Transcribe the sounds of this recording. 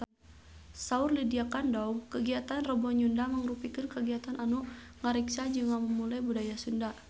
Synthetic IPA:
saurlidiakandaukəɡiat̪anrɔbɔɲundaməŋrupikɨnkəɡiat̪anʔanuʔŋaɾiksad͡ʒɨŋaməmulajbudajasunda

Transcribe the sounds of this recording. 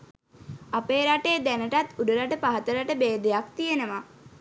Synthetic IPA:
apeːɾaʈeːd̪ænəʈat̪uɖəɾaʈəpaɦət̪əɾaʈəbeːd̪ejak̚t̪ijenəʋa

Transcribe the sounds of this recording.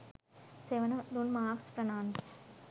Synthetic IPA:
seʋɐnɐnunmaːkspɾɐnaːnd̪i

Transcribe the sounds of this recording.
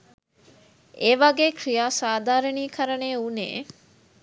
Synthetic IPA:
eːʋɐɡeːkrijaːsaːd̪aːɾɐniːkʰɐɾɐneːunḛː

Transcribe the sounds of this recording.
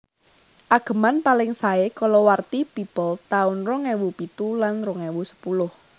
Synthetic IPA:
ʔaɡ̥ə̤manpalɪŋsaekɔlɔwart̪ipipəlt̪aʊnrɔŋɛwupit̪ulanrɔŋɛwusə̥pulʊh

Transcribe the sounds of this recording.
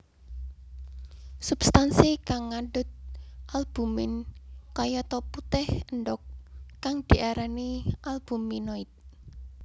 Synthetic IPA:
sub̥st̪ansikaŋːaɳɖʊt̪̚ʔalb̥ṳmɪnkajɔt̪ɔput̪ɛhənɖɔkːaŋd̪̥i̤ʔaɾaniʔalb̥ṳminɔit̪̚

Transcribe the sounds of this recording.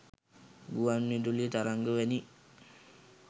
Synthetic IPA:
ɡuwannidulit̪aɾaŋɡəʋəni

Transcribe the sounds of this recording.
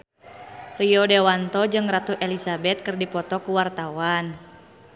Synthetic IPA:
rijɔdɛwant̪ɔd͡ʒɨŋrat̪uʔɛlisabɛt̪̚kɨrdipɔt̪ɔkuwart̪awan

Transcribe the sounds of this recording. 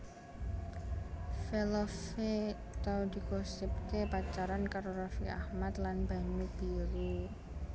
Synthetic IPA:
felofe | t̪aud̪̥i̤ɡɔsɪp̚kepat͡ʃaɾankaɾoɾafiʔahmat̪lanbaɲub̥iɾu

